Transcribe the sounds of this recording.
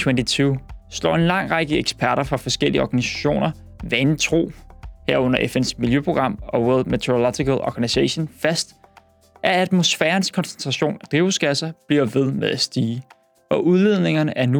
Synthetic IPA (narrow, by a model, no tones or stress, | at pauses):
t͡sʰwent͡sʰit͡sʰuːslɒ̰ːe̝nlɑ̈ŋ̰ʁɑɡ̥əeɡ̥sb̥ʰæɐɾɐfʁɑ̈fɒ̽sɡ̥el̰ḭəɒːɡ̥ænisæ̥ɕo̝̰ːnɐ | ʋænt͡sʰʁo̝̰ːheɐ̰ɔ̽n̰ɐʔefen̰smiljøpʰʁo̝ɡ̥ʁɑ̈m̰ɒ̽weldmet͡sʰeolɒt͡sikælɒ̰ɡ̥æniseɕonfæsd̥ | ʔææð̥mo̝sfɛːɐnskʰɒnsent͡sʰʁɑ̈ɕo̝̰ːnæd̥ʁiʊsɡ̥æsɐb̥liɐʋe̝ðˠmeðˠæsd̥iː | ʔɒ̽ʔuðˠle̝ð̞̰ˠne̝ŋɐnəʔæɐnu